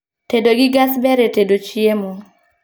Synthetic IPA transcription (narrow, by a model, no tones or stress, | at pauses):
tedoɡɪɡasbɛɾetedot͡ʃiemo